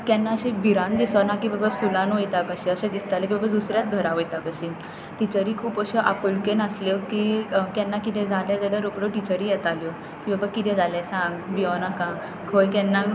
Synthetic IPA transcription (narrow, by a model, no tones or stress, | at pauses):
kɛnːaəɕẽbʱiɾãnd̪isənakibəbaskulãnɦojt̪akəɕiəɕɛ̃d̪ist̪alekibəbəd̪usɾjat̪ɡʱəɾãʋojt̪akəɕi | ʈit͡ɕəɾiːkʰuːpəɕɔʔapulkenəsljɔkikjɛnːakit̪ʰɛ̃d͡zaled͡zaɽəɾokɽoʈit͡ɕəɾijɛt̪aljɔ | kibəbakit̪ʰɛ̃d͡zalɛsãɡbiɔnakã | kʰojkɛnːa